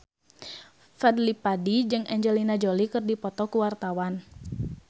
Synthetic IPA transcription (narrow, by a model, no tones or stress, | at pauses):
fɛdlipadid͡ʒɨŋʔɛɲd͡ʒɛlinad͡ʒɔlikɨrdipɔt̪ɔkuwart̪awan